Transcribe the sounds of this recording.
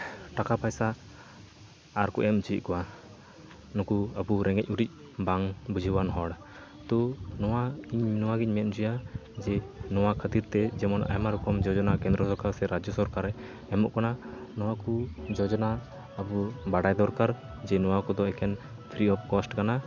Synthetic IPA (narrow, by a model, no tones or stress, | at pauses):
ʈakapajsa | ɾkɔʔɛmd͡ʒiʔ̪̚kɔwa | nɔkuəbuɾɛŋɛc̚ˀuɾic̚ˀ | baŋbud͡ʒʱiwanɦɔɽ | t̪ɔnɔwaiɲnɔwaɡicmɛt̪̚ˀd͡ʒujad͡ʒɛnɔwakʰət̪iɾt̪ɛd͡ʒɛmɔnʔa̰jmaɾɔkɔmd͡ʒɔd͡ʒɔnakɛ̃nd̪ɾɔsɔɾkaɾsɛɾad͡ʒjɔsɔɾkaɾɛ | ɛmɔ̰ʔkɔnanɔwakud͡ʒɔd͡ʒɔnaː | bubaɽajd̪ɔɾkaɾ | d͡ʒɛnɔwakɔd̪ɔɛkɛn | t̪ʰɾiɔp̚ʰkɔsʈkana